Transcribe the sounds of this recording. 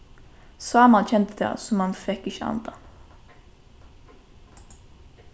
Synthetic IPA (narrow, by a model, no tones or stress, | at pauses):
sɑːmɑnc͡çɛnt̪əd̪ḛːsʊmhɑnfɛkɪçəɑ̰nd̪ɑ